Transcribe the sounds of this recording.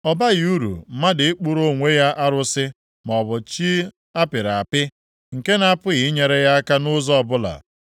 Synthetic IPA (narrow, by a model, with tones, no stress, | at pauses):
ɔ˨ba˦ɣu˦ɾṵ˨˦ma˦dɪ˨ɪ˦k͡pu˦ɾo˦˨ŋʷe˦ja˦ʔa˦ɾʊ˦sɪ˦ | m˨ɔ˨bʊ˨t͡ʃi˦ | a˦pɪ˨ɾa˨a˨pɪ˦ | ŋ̩˨ke˦na˦pʊ˦ɣɪ˨˦ɲe˨ɾe˦ja˦a˦ka˦nʊ˦zɔ˦ɔ˦˨bʊ˦la̰˨